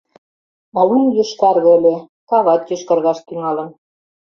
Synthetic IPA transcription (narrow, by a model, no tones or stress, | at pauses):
ɑwunjuʃkɑrɣɤ̆ə̆lʲe | kɑβɑt̪jøʃkɑrɣɑʃt̪yŋɑlɤ̆n